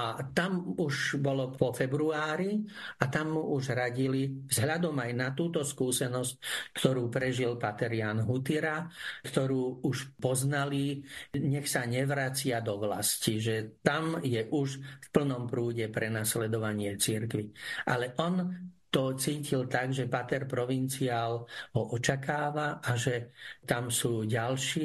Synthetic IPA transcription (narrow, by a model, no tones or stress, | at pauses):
at̪amuʒbɔlɔpɔfɛbɾuaːɾiat̪amːuʔuʒɦɾaɟilivzɦʎad̪ɔmajnat̪uːt̪ɔskuːsɛnɔsc̚kt̪ɔɾuːpɾɛʒilpat̪ɛɾɪaːnɦut̪iɾakt̪ɔɾuːuʃpɔznaliɲɛxsaɲɛʋɾat͡sɪad̪ɔʋla̰sciʒɛt̪amjɛʔuʃfpl̩nɔmpɾuːɟɛpɾɛnaslɛd̪ɔʋaɲɪɛt͡siɾkʋiʔalɛʔɔnt̪ɔt͡siːcilt̪aɡʒɛpat̪ɛɾpɾɔʋint͡siaːlɦɔʔɔt͡ʃakaːʋaʔaʒɛt̪amsuːɟalʃiː